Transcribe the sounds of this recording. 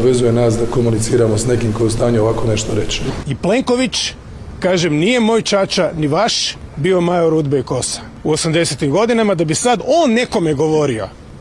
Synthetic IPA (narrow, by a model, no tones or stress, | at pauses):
ʋezuje̞naːsd̪akomunit̪siːɾamosne̞kimkojeust̪aːɲuoʋakone̞ʃt̪oɾet͡ʃiiple̞ŋko̞ʋit͡ʃ | kaːʒemnije̞mo̞ːjt͡ʃat͡ʃaniʋaʃbio̞majoɾud̪beiko̞sḁ | uosamd̪e̞set̪imɡo̞d̪inamad̪abisad̪oːnːe̞ko̞meɡo̞ʋo̞ɾio̞̰